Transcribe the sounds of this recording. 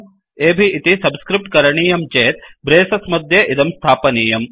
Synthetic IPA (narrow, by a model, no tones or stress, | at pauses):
eːbʱiʔːt̪isɐbskɾip̚ʈkɐɾɐɳiːjɐmt͡ʃeːt̪̚bɾeːsɐsmɐd̪ʱjɐʔid̪ɐmst̪ʰaːpɐniːjɐm